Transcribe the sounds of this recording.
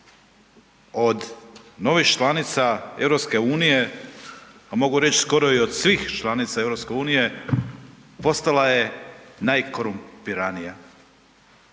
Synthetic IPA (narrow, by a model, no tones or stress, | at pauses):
o̞d̪no̞ʋixt͡ʃlˠanit̪sae̞̰vɾo̞pske̞uːnije̞ | amo̞ɡuɾe̞t͡ɕsko̞ɾo̞io̞d̪̥sʋiːxt͡ʃlˠanit̪saevɾopske̞uːnije̞ | po̞st̪alaje̞najko̞ɾumpiɾanija